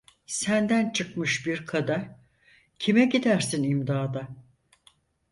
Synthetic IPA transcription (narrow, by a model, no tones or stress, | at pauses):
sænd̪ænt͡ʃʰɯkmɯʃbiɾkʰad̪aɾ | cʰimɛɟid̪æɾsinimd̪aːd̪a